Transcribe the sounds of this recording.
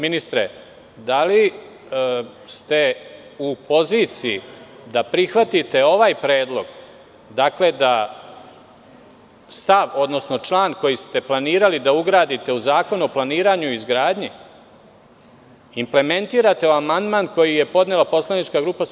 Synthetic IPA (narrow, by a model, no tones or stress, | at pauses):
minist̪ɾe | d̪ali | st̪e̞upo̞ziːt̪sijḭd̪apɾixʋat̪it̪e̞o̞ʋaːjpɾe̞ːd̪lˠo̞ɡ | d̪akle̞d̪a | st̪aʋo̞d̪no̞sno̞t͡ʃlˠaːnko̞jist̪e̞plˠaniːɾalid̪auɡɾaːd̪it̪e̞uzaːko̞nuo̞plˠaniːɾaɲuizɡɾaːd̪ɲi | imple̞me̞nt̪iːɾat̪e̞oamand̪maːnko̞jije̞po̞d̪nelapo̞slˠanit͡ʃkaɡɾuːpas